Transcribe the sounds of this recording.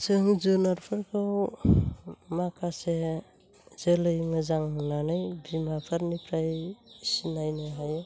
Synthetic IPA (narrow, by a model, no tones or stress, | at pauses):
sɯŋzunaɾpʰaɾkʰɯw | makʰase | zelɯjŋɯzaŋɦɯnanajbimapʰaɾnipʰɾajsinajnaɦaj